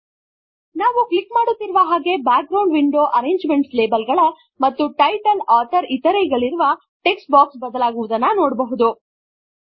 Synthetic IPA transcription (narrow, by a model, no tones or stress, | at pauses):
naːʋuklikmaːɽut̪ːiɾuʋɐɦaːɡe̞baːk̚ɡɾɐwɳɖʋiɳɖo̞ːʔɐɾe̞ːɲd͡ʒme̞ɳʈsle̞ːbɐlɡɐɭɐ | mɐt̪ːuʈɐjʈɐlaːt̪ʰɐɾit̪ɐɾeɡɐɭiɾuʋɐ | ʈeksʈ̚baːksbɐd̪ɐlaːɡuʋud̪ɐnːɐnoːɽbɐɦud̪u